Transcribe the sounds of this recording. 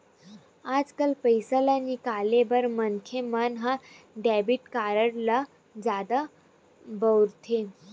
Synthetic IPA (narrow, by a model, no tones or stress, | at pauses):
ad͡zkəlpəjsəlanikalebəɾmənkʰemənɦã | ɖɛbiʈkaɾəɽla | d͡zad̪a | bəwɾt̪ʰe